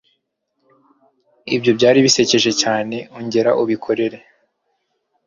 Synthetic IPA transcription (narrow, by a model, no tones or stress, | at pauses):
ḭbjo̞bɟaːɾiβise̞ce̞ʒe̞caːne̞uɲɟe̞ɾaʔuβikʰo̞ɾe̞ɾe̞